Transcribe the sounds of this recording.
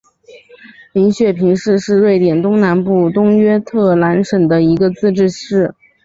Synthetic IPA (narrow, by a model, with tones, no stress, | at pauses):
li˧˥nɕɥɛ˥˩pʰi˧˥ŋʂɻ̩˥˧ʂɻ̩˥˧ɻwe˥˩ɪt̪jɛ˨˩nt̪ʊ˥ŋna˧˥npu˥˩t̪ʊ˥ŋɥɛ˥t̪ʰɤ˥˩la˧˥nʂə˨˩ŋd̪ə˦i˧˥ɡə˧t͡sɹ̩˥˧ʈ͡ʂɻ̩˥˧ʂɻ̩˥˩